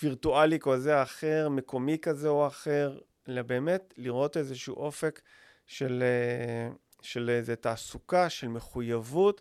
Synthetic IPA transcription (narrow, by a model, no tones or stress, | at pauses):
viʁtualikozeaχe̞ʁme̞ko̞mikazeoaχeʁ | lebe̞ːme̞tliʁo̞te̞zeʃuṵʔo̞fe̞k | ʃele | ʃelezetaːsukaʃe̞lme̞χujavut